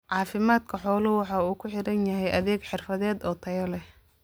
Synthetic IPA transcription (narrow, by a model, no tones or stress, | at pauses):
ʕɑːfɪmaːd̪kʰɐħɔːlɐwɑħɑːuːkʰʊħɪɾɐnjɐɦɛjʔɐðɛːɡħɪrfɐðɛːd̪ɔːt̪ʰɐjɐlɛh